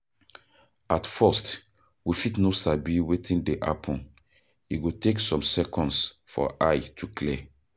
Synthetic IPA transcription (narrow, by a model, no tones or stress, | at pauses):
atfɛst | wifitnosabiwetʰĩndeʔa̰pʰɔ̃n | ḭɡoteksɔ̃msɛkɔ̃nsfɔ̰ʔajtʰukʰlɛ